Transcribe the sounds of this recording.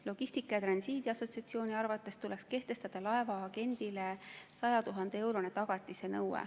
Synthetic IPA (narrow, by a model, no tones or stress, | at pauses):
lo̞ɡ̥isʲt̪ikːˑɑjɑt̪rɑnsiːd̪̥iɑso̞t̪siɑt̪sio̞ːnʲiɑrvɑt̪ːˑe̞st̪ule̞kske̞ht̪e̞st̪ɑd̪̥ɑlɑevɑːɡ̥e̞nʲd̪̥ilesɑjɑt̪uɦɑnd̪̥ee̞wɾo̞net̪ɑɡ̥ɑt̪ˑːisenɤwḛ